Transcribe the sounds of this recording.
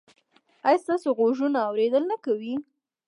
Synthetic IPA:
ajst̪ɑsoɣoʒunaːwɾed̪əlnakawi

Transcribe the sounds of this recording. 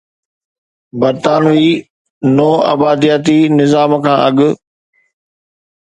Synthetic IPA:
bɐɾt̪aːniː | nɔːɐ̰baːd̪ijaːt̪inɪzaːmkʰãːʔɐɠʊ̆

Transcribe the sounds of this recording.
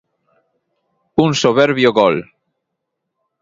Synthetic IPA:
unsoβeɾβjoɣol

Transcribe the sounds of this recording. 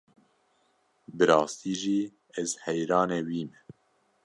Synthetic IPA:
bɨɾɑːst̪iːʒiː | ɛzhɛjɾɑːnɛːwiːmɛ

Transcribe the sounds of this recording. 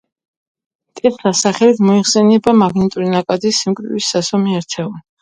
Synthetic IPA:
t̪ʼɛt̪ʰɾasaχɛlit̪ʰmɔiχsɛnɛbamaɡnit̪ʼuɾinakʼad̪isimkʼɾiwisːasɔmiaɾt̪ʰɛun

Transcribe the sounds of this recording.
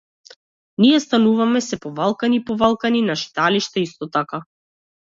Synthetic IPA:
nijɛst̪anuvamɛsɛpɔvalˠkanipɔvalˠkaninaʃi̥t̪aliʃt̪aist̪ɔt̪aka

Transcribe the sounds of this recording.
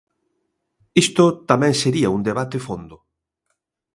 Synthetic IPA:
ist̪ʊt̪amɛ̃ŋseɾiɐund̪eβat̪efond̪ʊ

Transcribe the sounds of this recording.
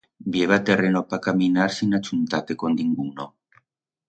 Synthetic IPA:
bieβat̪erenopakaminaɾsinat͡ʃunt̪at̪ekond̪iŋɡuno

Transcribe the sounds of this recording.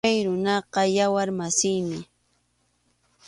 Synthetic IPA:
ajɾʊnɑqɑjawaɾmasɪjmɪ

